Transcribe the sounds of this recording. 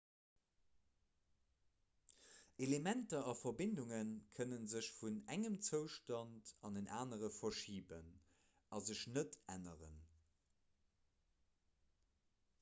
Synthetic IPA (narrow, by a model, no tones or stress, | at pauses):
elemæntɐɑfɐbinduŋənkʰənənzəɕfunæŋəmt͡səʊʃtɑntɑndənʔaːnəʁəfɐʃiːbən | ɑzəɕnətæ̰nəʁən